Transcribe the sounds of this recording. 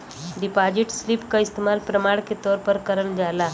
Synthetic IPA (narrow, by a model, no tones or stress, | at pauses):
ɖipad͡ʑiʈslipkaist̪emalpɾəmaɽket̪ɔɾpəɾkəɾəɳd͡zala